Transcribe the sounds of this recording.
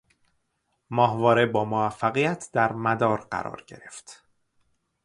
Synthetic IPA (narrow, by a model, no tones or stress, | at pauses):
mɒːhvɒːɾebɒːmoæfːæɣijæt̪ʰd̪̥æɾmæd̪ɒːɾɢæ̰ɾɒ̰ːɾɟe̞̰ɾe̞ft̪